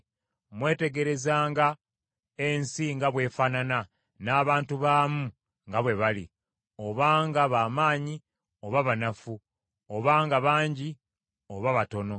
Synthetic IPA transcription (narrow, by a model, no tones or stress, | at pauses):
mwe̞ːte̞ɡe̞ɾe̞zaːŋɡa | e̞nsiŋɡaβwe̞faːnana | naːβaːntuβaːmu | ŋɡaβwe̞βalḭ | o̞βaːŋɡaβamaːɲi | o̞βaβanafu | oβaːŋɡaβaːɲɟi | o̞βaβato̞no̞